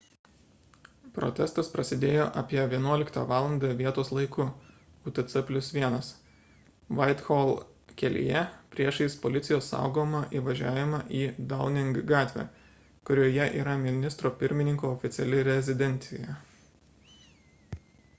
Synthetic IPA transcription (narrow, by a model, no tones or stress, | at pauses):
pɾo̰t̪ʲɛst̪ɐspɾɐsʲɪd̪ʲeːjoːʔɐpʲiɛʋʲiɛnuɔlʲɪkt̪ɑːʋɑːlˠɐnd̪ɐʋʲiɛt̪oːslˠɐɪkʊ | ut̪ɛt̪sɛpʲlʲʊsʋʲiɛnɐs | ʋɐɪt̪xoːlˠ | kʲɛlʲɪ̰jɛpʲɾʲiɛʃɪspolʲɪt̪sʲɪjoːsːɑ̰ʊɡoːmɐʔiːʋɐʒʲæːʋʲɪmɑʔiːd̪ɐʊnʲɪŋɡɡɑːt̪ʲʋʲḛː | kʊɾʲoːjɛʔḭːɾɐmʲɪnʲɪst̪ɾoːpʲɪɾʲmʲɪnʲɪŋkoːɔfʲɪt̪sʲɛlʲɪɾʲɛzʲɪd̪ʲɛnʲt̪sʲɪ̰jɛ